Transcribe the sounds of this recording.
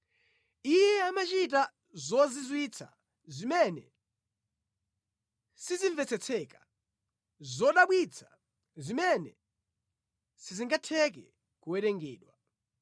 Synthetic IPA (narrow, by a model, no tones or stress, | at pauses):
ijɛamat͡ʃit̬a | zɔzizwit͡sʰa̰ | zimɛnɛ̰ | siziɱvɛt͡sʰɛt͡sʰɛkḁ | zɔɗaɓwit͡sʰḁ | zimɛnɛ | siziŋɡatʰɛk̬ɛ | kuwɛtɛŋɡɛːɗwa